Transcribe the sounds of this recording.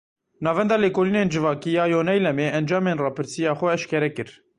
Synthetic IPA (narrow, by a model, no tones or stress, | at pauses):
nɑːvɛnd̪ɑːleːkoːliːneːnd͡ʒɨvɑːkiːjɑːjoːnɛjlɛmeːɛnd͡ʒɑːmeːnrɑːpʰɨɾsijɑːxʷɛɛʃkɛɾɛkɨɾ